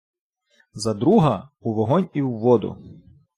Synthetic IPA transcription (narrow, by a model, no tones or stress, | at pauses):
zɐd̪ɾuɦɐuʋɔɦɔnʲiwːɔd̪ʊ̰